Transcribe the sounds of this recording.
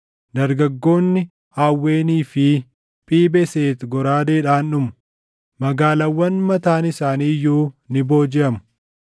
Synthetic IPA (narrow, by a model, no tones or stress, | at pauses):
d̪ɐɾɡɐɡːo̞ːnːɪ | haːwːe̞ːniːfɪ | pʼiːbɛseːt̪ɡɔɾaːd̪eːᶑaːnʊmʊ̥ | mɐɡaːlɐwːɐnmɐt̪aːnɪsaːniːjuːnɪbo̞ːd͡ʒɪɐmʊ̥